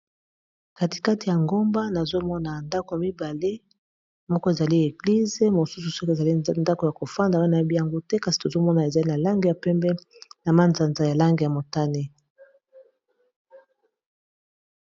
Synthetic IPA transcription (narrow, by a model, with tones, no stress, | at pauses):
ka˨ti̥˨ka˦ti˨ja˨ŋɡo˦mba˦na˨zo˦mɔ˦na˨nda˦ko˨ja˨mi˦ba˨le˦ | mɔ˦kɔ˦e˨za˨li˦e˨ɡli˦ze˦mo˨su˦s̬u˨ske˨za˨li˦nda˦ko˨ja˨ko˨fa˦nda˨wa˦na˨˦bi˦ja˨ŋɡo˦tɛ˦ka˦si˨to˨zo˦mɔ˦na˨e˨za˨li˦na˨la˦ŋɡe˨ja˨pɛ˦mbɛ˦na˨ma˦nza˨nza˨ja˨la˦ŋɡe˨ja˨mo˨ta˦ne˦